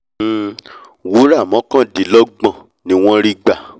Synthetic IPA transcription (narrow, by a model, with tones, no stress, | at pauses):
wu˨˦ɾa˦˨mɔ̃˨˦kã˦di˨˦lɔ˦ɡ͡bã˦˨ | nĩ˦w̃ɔ̃˦ɾi˦ɡ͡ba˨